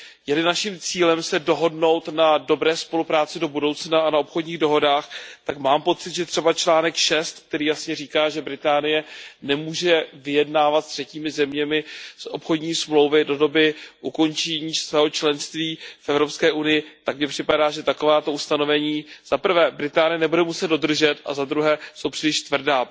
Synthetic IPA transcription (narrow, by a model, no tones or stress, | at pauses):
jɛlɪnaʃimt͡siːlɛmsɛdo̞ɦo̞dno̞wt̪nado̞bɾɛːspo̞lupɾaːt͡sɪdo̞budo̞wt͡snaʔanao̞pxo̞dɲiːɣdo̞ɦo̞daːxt̪akmaːmpo̞t͡sɪt̪ʒɛt̪r̝̥ɛbat͡ʃlaːnɛkʃɛst̪k̚t̪ɛɾiːjasɲɛriːkaːʒɛbɾɪt̪aːnɪjɛnɛmuːʒɛvɪjɛdnaːvat̪st̪r̥ɛciːmɪzɛmɲɛmɪsʔo̞pxo̞dɲiːsmlo̞wvɪdo̞do̞bɪʔuko̞nt͡ʃɛɲiːsvɛːɦo̞t͡ʃlɛnst̪viːfʔɛvɾopskɛːʔunɪjɪt̪akmɲɛpr̥ɪpadaːʒɛt̪ako̞vaːt̪o̞ust̪ano̞vɛɲiːz̥apr̩vɛːbɾɪt̪aːnɪjɛnɛbudɛmusɛd̪do̞d̪r̩ʒɛt̪a̰zad̪ɾuɦɛːso̞wpr̥ɪlɪʃt̪vr̩daː